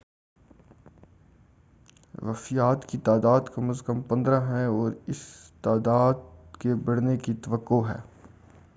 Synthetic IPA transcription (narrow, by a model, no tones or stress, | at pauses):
ʋɐfijaːt̪kit̪aːd̪aːd̪kɐməzkəmpɐ̃nd̪ɾãɦɛɔːɾɪst̪aːd̪aːd̪kebɐɽnekit̪ɐʋəkːoɦɛ̰ː